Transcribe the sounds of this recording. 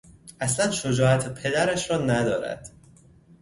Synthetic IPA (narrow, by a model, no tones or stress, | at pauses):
ʔæslænʃo̞d͡ʒɒːæt̪ʰepʰe̞d̪æɾæʃɾɒːnæd̪ɒːɾæ̰d̪̥